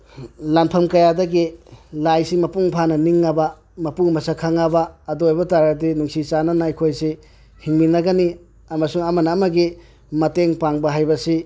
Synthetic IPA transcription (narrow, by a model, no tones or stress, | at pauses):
lampʰɐmkɐjadɐɡilajsimɐpuŋpʰanɐniŋːabɐ | mɐpuŋmɐsakʰaŋabɐːdojbɐtaɾɐdinuŋsit͡ʃanɐnɐɐjkʰojsi | hiŋminɐɡɐni | ɐmɐsuŋɐmɐnɐmɐɡi | mɐteŋpaŋbɐɦajbɐsi